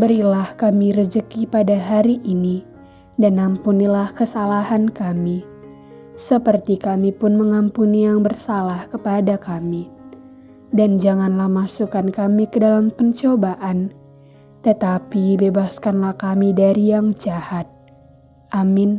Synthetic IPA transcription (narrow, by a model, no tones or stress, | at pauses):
bəɾilahkamiɾəd͡ʒəkipadaɦaɾiʔːni | danampunilahkəsalaɦankami | səpərt̪ikamipʊnməŋampunijaŋbərsalahkəpadakami | dand͡ʒaŋanlahmasukankamikədalampəɲt͡ʃobaʔan | t̪ət̪apibebaskanlahkamidaɾijaŋd͡ʒahat̪̚ | ʔamin